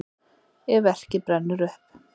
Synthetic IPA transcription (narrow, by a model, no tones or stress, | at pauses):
ɛvɛr̥cɪpɾɛnːʏɾʏhp